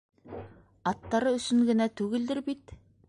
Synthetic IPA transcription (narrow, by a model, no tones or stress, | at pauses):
ɑt̪ːɑɾɤɵ̆sɵŋɡɘ̆næt̪ʉɡɘ̆ld̪ɘɾbit̪